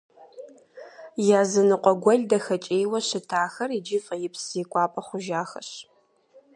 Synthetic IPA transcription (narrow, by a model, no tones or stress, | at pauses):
jaːzɨnɨqʷʼɔɡʷɔɮʲdɐxɐt͡ʃʼeːjwɐɕɪtʰaːxɐrid͡ʒɪfʼɐjɪpsiːkʷʼɑːpʼɐχʷʊʒaːxɐ̰ɕ